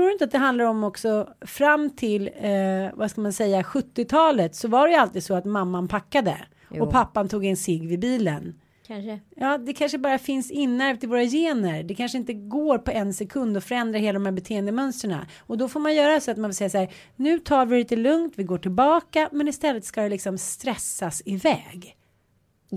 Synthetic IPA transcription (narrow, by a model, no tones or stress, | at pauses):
ɾuːɾɵɪnt̪əat̪̚d̪ɛɦand̪laɾɔmːɔksɔfɾamːt̪ʰɪlvaskalmansɛjːaɧɵt̪ːɪt̪ʰɑːlət̪sɔvaɖɛjalt̪iːd̪sɔat̪mamːanpʰakːad̪ə̰ | ɔpʰapːant̪ʰuːɡɛnsɪɡvɪbiːlə̰n | jɑːd̪ɛkʰanʂəbɑːɾafɪnsɪnːæɾvt̪ʰɪlvoːɾajeːnəɾɖɛkʰanʂəɪnt̪əɡoːɾpɔɛnsɛkʰɵnd̪ɔfœɾɛnd̪ɾaheːlad̪ɔmhæːbɛt̪ʰeːənd̪əmœnst̪ɾəɳa̰ | ɔd̪ɔfoːɾmanjœːɾasɔat̪manvɪsɛjːasaːɾ | nʉ̟ːt̪ʰɑːɾvɪliːt̪əlɵŋt̪vɪɡoːʈʰɪlbɑːkamɛnɪst̪ɛlːət̪skajɛlɪksɔmst̪ɾɛsːasɪvɛ̰ːɡ